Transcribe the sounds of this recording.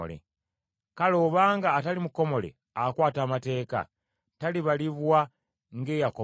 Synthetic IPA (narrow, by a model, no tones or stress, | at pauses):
lḛ | kalo̞ːβaːŋɡaːtalimuko̞mo̞lḛ | akwaːtaːmate̞ːka̰ | taliβaliβwa | ŋɡe̞ːjako